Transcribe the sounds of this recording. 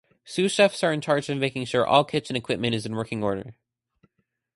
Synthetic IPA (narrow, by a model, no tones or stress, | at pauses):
sʉʃɛfsə˞ɨ̃nt͡ʃʰɑɹd͡ʒɨ̃vmeɪkɪ̃ŋʃʊɹʔɔ̰lˠkʰɪt͡ʃɨ̃nɨkʰw̥ɪp̚mɨ̃ɾ̃ɨzɨ̃n̩wɜ˞kɪ̃ŋɔɹɾə̰˞